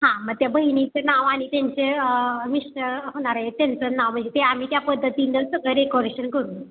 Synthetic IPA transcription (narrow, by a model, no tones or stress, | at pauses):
ɦãməɡ̚t̪jabʱəɦinit͡senaʋaɽ̃it̪jaɲt͡seəmiʂʈəɦoɽ̃aɾajet̪jant͡sənaʋm̤əɳd͡zet̪eam̤iːt̪japəd̪ʱːət̪inəɾsəɡəɭɾekɔɾeɕənkəɾuːn